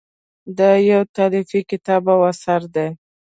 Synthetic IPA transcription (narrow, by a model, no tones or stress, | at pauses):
d̪əjawt̪ɑɾifikɪt̪ɑbawasaɾd̪e